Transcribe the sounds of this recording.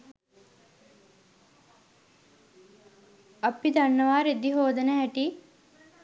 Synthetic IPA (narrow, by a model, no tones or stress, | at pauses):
apid̪anːəʋaːɾed̪iɦoːd̪ənəɦæʈi